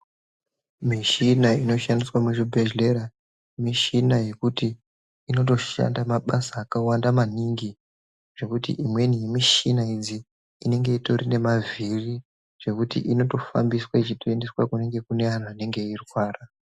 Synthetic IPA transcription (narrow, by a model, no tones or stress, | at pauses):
miʃinaino̞ʃandiswamuʐibʱeʒle̞ɾa | miʃinaje̞kutiː | no̞t̬o̞a̰ndamaɓasaːkawandamaniŋɡi | ʐ̥e̞kutḭʔimwe̞nije̞miʃinaid͡ziː | ne̞ŋɡe̞ito̞rine̞maviri | ʐ̥e̞kutḭʔino̞to̞fa̰mbiswait͡ʃitoendeswakune̞ŋɡe̞kune̞ʋan̤uane̞ŋɡe̞irwaːra